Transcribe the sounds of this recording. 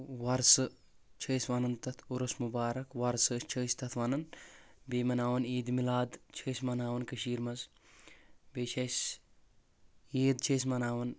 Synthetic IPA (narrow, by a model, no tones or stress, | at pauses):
wɐɾsɨ | t͡ʃʰəːsʋanɐnt̪ɐt̪ʰuɾɐsmubaːɾɐkʋɐɾsəst͡ʃʰəːst̪ɐt̪ʰʋɐnɐnbeːmɐnaːʋɐniːd̪milaːd̪t͡ʃʰəːjsmɐnaːʋɐnkɐʃiːɾmɐz | beːt͡ʃʰɐs | iːd̪t͡ʃʰɐːsmɐnaːʋɐn